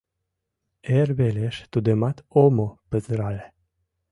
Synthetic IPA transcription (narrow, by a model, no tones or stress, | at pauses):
erbeleʃt̪ud̪əmat̪omopəzɾale